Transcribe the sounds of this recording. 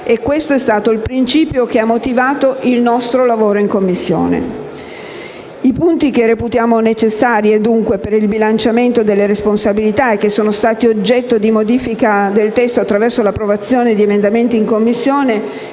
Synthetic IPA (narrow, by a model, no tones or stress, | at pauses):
ekːwest̪oɛst̪aːt̪oilpɾint͡ʃiːpjokeamːot̪ivaːt̪oʔilnɔst̪ɾolavoːɾoiŋkomːisːjo̰ːnḛ | ipunt̪ik̟ereput̪jaːmonet͡ʃesːaːɾjed̪uŋkwepeɾilbilant͡ʃament̪od̪elːeɾesponsabilit̪aekːesːoːnost̪aːt̪iod͡ʒːɛt̪ːod̪imod̪iːfikad̪elt̪ɛst̪oat̪ːɾavɛrsolapːɾovat̪sːjoːned̪iemend̪ament̪iːŋkomːisːjoːne